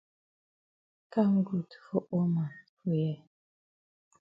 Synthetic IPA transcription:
ka˦ŋ̩˦ɡu˨tfo˦ʔo˦ma˨fu˨jɛ˨

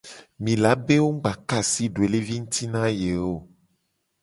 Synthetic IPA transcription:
mĩ˨la˨˦be˦wo˦ŋ̩˦ɡ͡ba˨ka˨si˦ɖo˨e˨le˦vi˦ŋ̩˦t̪i˦nã˦je˨wo˦˨

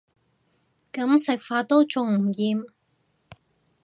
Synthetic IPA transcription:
kɐ˨˥msɪ˨k̚faː˧t̪o˥wt͡sʊ˨ŋm̩˨˩jiː˨˧m

